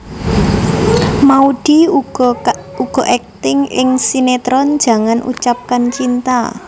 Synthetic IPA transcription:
maud̥i | uɡ̥ɔ̤ʔɛk̚t̪ɪŋʔɪŋsinet̪ɾɔn̥d͡ʒ̥a̤ŋanʔṵt͡ʃap̚kant͡ʃint̪a̰

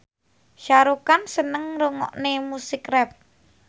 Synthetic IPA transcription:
ʃaɾukansənəŋroŋɔ̰ʔnemusikrɛp̚

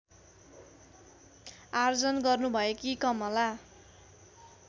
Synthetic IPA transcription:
ard͡zʌnɡʌrnubʱʌekikʌmʌla

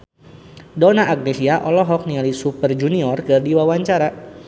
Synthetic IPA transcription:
dɔnaʔaɡ̚nesiaʔɔlɔɦɔk̚nialisupərd͡ʒuniɔrkɨrdiwawaɲt͡ʃaɾa

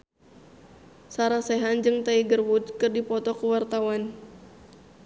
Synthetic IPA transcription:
saɾasɛɦand͡ʒɨŋt̪aiɡərwut̪kɨrdipɔt̪ɔkuwart̪awan

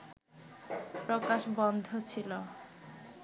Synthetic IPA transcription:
pɾokaʃbɔnd̪ʱot͡ɕʰilo

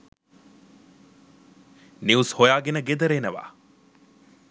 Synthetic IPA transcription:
niushojaːɡenɐɡed̪ɐɾeːnɐʋa̰ː

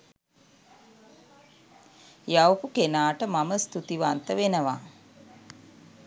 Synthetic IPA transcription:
jawpukenaːʈəmaməst̪ut̪iʋant̪əʋenəʋa

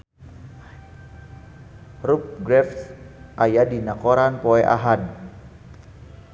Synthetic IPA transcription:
rup̚ɡɾɛfsʔajadinakoɾanpoɛʔa̰ɦan

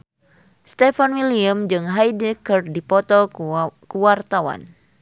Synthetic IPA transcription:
st̪ɛfanwiliamd͡ʒɨŋɦajdɛkɨrdipɔt̪ɔkuwart̪awa̰n

